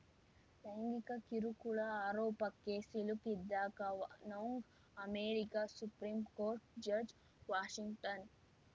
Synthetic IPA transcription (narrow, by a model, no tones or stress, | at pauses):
t̪ɐjŋɡikɐkiɾukuɭɐaːɾoːpɐkeːsilukid̪ːaːkɐnoŋɡ | ɐmeːɾikasupɾiːmkoːɾʈd͡ʒɐɾd͡ʒ | ʋaːʃiŋɡʈɐn